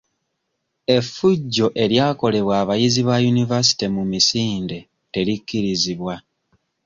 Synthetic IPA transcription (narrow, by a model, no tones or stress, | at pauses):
e̞fuɟːo̞ʔe̞ɾjaːko̞le̞βwaːβajiziβajunivas̬i̥timumisiːnde̞ | te̞likːiɾiziβwa